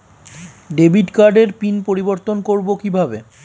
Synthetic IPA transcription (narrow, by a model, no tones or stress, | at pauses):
ɖebʱiʈkaɾɖeɾpinpoɾiboɾt̪onkoɾbokibʱabe